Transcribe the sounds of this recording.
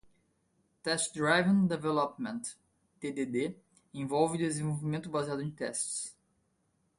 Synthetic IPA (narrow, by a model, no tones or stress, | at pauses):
t̪ɛst͡ʃd̪ɾajvɐ̃nd̪evɛlɔpmẽnt̪ː | ed̪ed̪e | ẽvɔwvɪd̪ezẽvoowvimẽnt̪ʊbaziad̪ʊẽt̪ɛ̰st͡ʃs